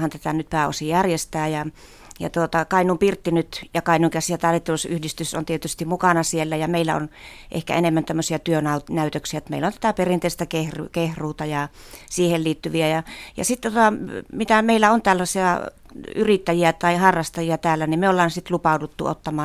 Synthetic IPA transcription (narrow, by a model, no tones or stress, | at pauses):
hɑnt̪æt̪ænyt̪̚pæːo̰sijærjest̪æːjɑ | jɑ̰t̪uot̪ɑkɑˑinumpirt̪ːinyt̪jɑkɑˑinuŋkæsijɑt̪ɑlit̪ːelusyhdist̪yso̰nt̪iet̪yst̪imukɑnɑsielːæjɑmeilːæ̰o̰nʔḛhkæ̰enemːænt̪æmːøsiɑt̪yønɑut̪næyt̪øksiæot̪mḛilːont̪æt̪æperint̪eˑist̪ækehrukehruːt̪ɑjɑ | siːhelliːt̪ːyʋiæjɑjɑ̰sit̪ːt̪ot̪ɑmit̪æmeilːæont̪ælːɑsiɑ | yrit̪ːæjiæt̪ɑihɑrːɑst̪ɑjiɑt̪æːlːænimmeolːɑːnsit̪lupɑˑudut̪ːṵo̰t̪ːɑmɑː